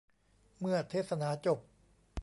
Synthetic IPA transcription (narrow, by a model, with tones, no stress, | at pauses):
mɯ˥˩ɐt̪ʰeː˥˩t̪sa˧naː˨˦˥t͡ɕo˨˩p̚